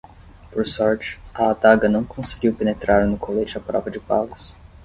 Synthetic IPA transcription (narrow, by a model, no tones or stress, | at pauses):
poɾsɔɾt͡ʃɪ̥ɐːt̪aɡɐnɐ̃w̃kʰõsɪɡiwpenet̪ɾaɾnʊkʰolet͡ʃɪɐpɾɔ̰vɐd͡ʒɪpa̰ɡʊs